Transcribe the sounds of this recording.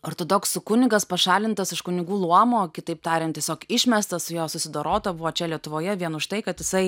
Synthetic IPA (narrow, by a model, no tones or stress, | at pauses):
oːɾt̪oːd̪oksʊkʊnʲɪɡɐspɐʃɑːlʲɪnt̪ɐsɪʃkʊnʲɪɡuːlˠuɔmoːkʲɪt̪ɐɪp̚t̪ɑːɾʲɛnt̪ʲiɛsʲoːkɪʃʲmʲɛst̪ɐsʊjoːsʊsʲɪd̪oːɾoːt̪ɐbʊʋoːt͡ʃʲɛlʲiɛt̪ʊʋoːjɛʋʲiɛnʊʃt̪ɐɪkɐt̪jɪsɐɪ